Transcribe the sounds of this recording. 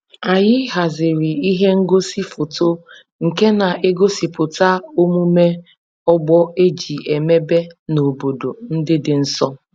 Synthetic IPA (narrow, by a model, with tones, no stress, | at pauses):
a˨jɪ˦ɦa˨zɪ˨ɾi˨i˦ɦe˦ŋ̩˦ɡo˦si˦fo˨to˦ | ŋ̩˨ke˦na˨ʔe˦ɡo˦si˨pʊ˨ta˦o˦mu˦me˦ | ɔ˦ɡ͡bɔ˦e˦d͡ʒi˨e˨me˦be˦no˨bo˨do˨n̩˦dɪ˦dɪ˨n̩˦sɔ˦